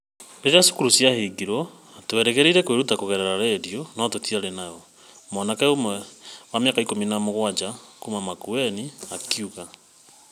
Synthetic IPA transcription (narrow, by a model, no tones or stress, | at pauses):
eɾeaso̥kuɾusjaheɡiɾɔ | toeɾɛɣeɾiɾɛkweɾutakoɣɛɾɛɾaɾeɾjonɔtotiaɾenajɔ | mɔnakɛomwɛwameakaikominamoɣwad͡ʒakumamakuɛniakiuɣa